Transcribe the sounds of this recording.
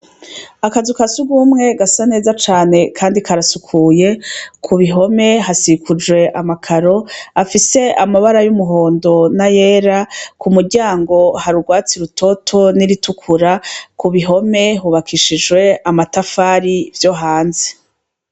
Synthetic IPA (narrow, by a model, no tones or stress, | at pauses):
akazukasuɡuːmŋe̞ɡasane̞ːzat͡ʃaːne̞kʰaːndikʰaɾasukʰuːje̞kʰuβiɦo̞me̞ɦasikʰud͡ʒwe̞ʔamakʰaɾo̞afise̞amaβaɾajumuɦo̞ːndo̞naje̞ːɾakumuɾɟaːŋɡo̞haɾuɡwaːt͡siɾutʰo̞tʰo̞niɾitukʰuɾakuβiɦo̞me̞ɦuβakʰiʃid͡ʒɡwe̞amatafaːɾivjo̞ɦaːnze̥